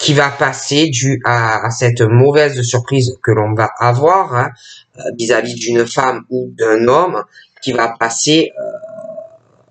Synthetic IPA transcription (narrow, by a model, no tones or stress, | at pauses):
kʲivapased̪yʔasɛt̪mɔvɛzs̬yʁpχizkəlɔ̃vaʔavwaʁɛ̃ | vizavid̪ynfamud̪ɛ̃nɔm | kʲivapaseø